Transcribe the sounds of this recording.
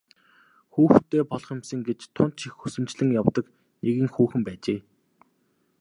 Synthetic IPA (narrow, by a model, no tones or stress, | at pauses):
xuːxt̪ʰeːpɔɮɞ̆χɪmsə̆ŋɡet͡ɕt̪ʰːʊnt̪ʃixusɘ̆mt͡ɕɮɘ̆ŋjawt̪ə̆k | nʔeɣʲiːŋxuːxɘ̆mpæːt͡ɕeː